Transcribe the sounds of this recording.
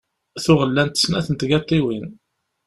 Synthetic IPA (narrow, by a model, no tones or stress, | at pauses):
θʊʁəlːænt̪ə̥snæθənt̪ɡɑt̪ˤːiwin